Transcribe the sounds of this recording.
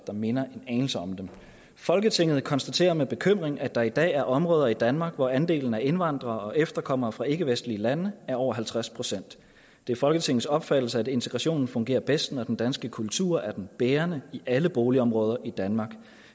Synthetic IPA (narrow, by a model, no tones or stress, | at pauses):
d̥ɑ̈me̝nɐʔe̝nɛːnl̩səɒ̽md̥em | fɒ̽lɡ̥ət͡sʰe̝ŋ̰ð̞̩ˠkʰɒ̽nsd̥æt͡sʰe̝̰ːɐmeb̥e̝kʰøm̰ʁeŋʔæd̥ɑ̈id̥ɛ̰ːæɐʔɒ̽mʁɔːð̞ˠɐid̥ænmɑ̈ːɡ̥ʋɒænd̥e̝̰ːln̩æɐenʋɑ̈n̰d̥ʁɐːɒ̽ʔefd̥ɐkʰɒ̽m̰ʁɐːfʁɑ̈e̝ɡ̥əʋesd̥liəlænəæɐɒʊ̰ɐɦælt͡sʰʁaspʰʁo̝sen̰d̥ | e̝æɐfɒ̽lɡ̥ət͡sʰe̝ŋð̩ˠsɒ̽b̥fæd̥l̩səæd̥e̝nt͡sʰe̝ɡ̥ʁɑ̈ɕo̝̰ːnn̩fɔ̽ŋɡe̝̰ːɐb̥esd̥nɒd̥en̩d̥ænsɡ̥əkʰult͡sʰuɐ̰æɐd̥enb̥eːɐnəiʔæləb̥oːliɒ̽mʁɔ̽ːð̞ˠɐʔid̥ænmɑ̈ːɡ̥